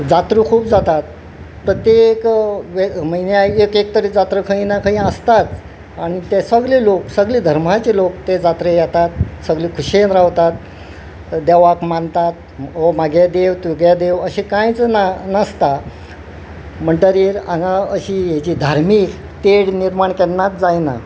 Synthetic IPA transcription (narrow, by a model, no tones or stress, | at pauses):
d͡zat̪ɾukʰuːp̚d͡zat̪at̪̚ | pɾət̪jekʋeməjnjaekek̚t̪əɾiːd͡zat̪ɾəkʰəɦĩnakʰə̃ĩəst̪at̪ | aɽ̃it̪esəɡliloksəɡliːd̪ʱəɾm̤at͡ɕelokt̪ed͡zat̪ɾejat̪at̪̚səɡliːkʰuɕenɾaʋt̪at̪̚ | d̪ɛʋakmant̪at̪̚ | ɦomaɡʱed̪ewt̪ʋiɡjad̪eʋəɕĩkãjt͡snanəst̪a | məɳɖəɾiːɾaɡaəɕiɦed͡ʑiːd̪ʱaɾmiːk | t̪eɽniɾmaɳkɛnːat̪̚d͡zajna